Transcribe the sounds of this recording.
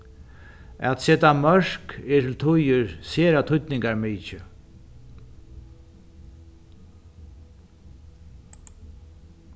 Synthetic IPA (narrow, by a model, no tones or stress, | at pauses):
ɛ̰t̪sɛt̪amœɹ̥kɛtʰɪlt̪ʰʊjɪɹseːɾat̪ʰʊt̪nɪŋkaɹmiːt͡ʃɪ